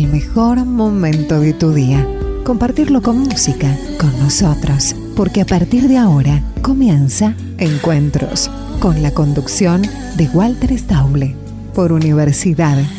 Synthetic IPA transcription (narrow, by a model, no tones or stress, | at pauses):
lmexo̞ɾmo̞mẽnt̪oðet̪uðiako̞mpaɾt̪iɾlo̞ko̞nmusika | konːoso̞t̪ɾos | poɾkeapaɾt̪iɾðeaoɾako̞mjensa | eŋkwe̞nt̪ɾo̰s | ko̞nlako̞nd̪uksjo̞n | d̪eɣwalt̪eɾest̪awβle | poɾuniβ̞eɾsiðað